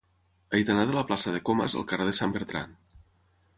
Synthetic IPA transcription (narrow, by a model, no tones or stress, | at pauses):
əjt̪ənaðələplasəðekomə̰zə̰lˠkəreðesambeɾt̪ɾa̰n